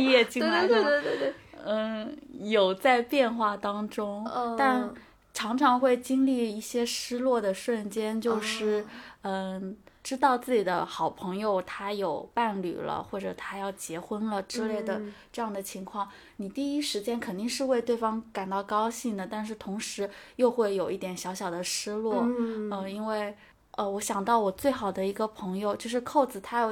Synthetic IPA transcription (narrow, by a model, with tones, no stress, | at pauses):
i˥˧jɛ˥˧t͡ɕi˥ŋi˥˧˥ | jo˨˩ʊt͡sa˥˧ɪpjɛ˥˧nxwa˥˩t̪ɑ˥ŋʈ͡ʂʊ˥ŋt̪a˥˩n | ʈ͡ʂʰɑ˧˥ŋʈ͡ʂʰɑ˧˥ŋxwe˥˩ɪt͡ɕi˥ŋli˥˧i˥˩ɕjɛ˥ʂɻ̩˥lwɔ˥˩d̪ə˩ʂwə˥˩nt͡ɕjɛ˥nt͡ɕjo˥˧ʊʂɻ̩˥˩ə˥˧ʈ͡ʂɻ̩˥t̪ɑ˥˧ʊt͡sɹ̩˥˩t͡ɕi˨˩d̪ə̰˦xɑ˨˩ʊpʰɤ˧˥ŋjo˧ʊt̪ʰa˥jo˨˩ʊpa˥˩nly̰˨˩lə̰˦xwɔ˥˩ʈ͡ʂɤ˨˩t̪ʰa˥jɑ˥˩ʊt͡ɕjɛ˧˥xwə˥nlə˨ʈ͡ʂɻ̩˥˧le˥˩ɪd̪ə˩ʈ͡ʂɤ˥˧jɑ˥˩ŋd̪ə˩t͡ɕʰi˧˥ŋkʰwɑ˥˩ŋ | ni˨˩t̪i˥˩i˥ʂɻ̩˧˥t͡ɕjɛ˥nkʰə˨˩nt̪i˥˧ŋʂɻ̩˥˧we˥˧ɪt̪we˥˩ɪfɑ˥ŋka˨˩nt̪ɑ˥˩ʊkɑ˥ʊɕi˥˩ŋd̪ə˩t̪a˥˧nʂ̬ɻ̩˥˩t̪ʰʊ˧˥ŋʂɻ̩˧˥jo˥˧ʊxwe˥˩ɪjo˨˩ʊʔi˥˩t̪jɛ˨˩nɕjɑ˧˥ʊɕjɑ˨˩ʊd̪ə˦ʂɻ̩˥lwɔ˥˩ə˧i˥nwe˥˩ɪ | ə˧wɔ˧˥ɕjɑ˨˩ŋt̪ɑ˥˩ʊwɔ˨˩t͡swe˥˩ɪxɑ˨˩ʊd̪ə˦i˧˥ɡə˧pʰɤ˧˥ŋjo˧ʊt͡ɕjo˥˧ʊʂɻ̩˥˧kʰo˥˩ʊt͡sɹ̩˨˩t̪ʰa˥jo˨˩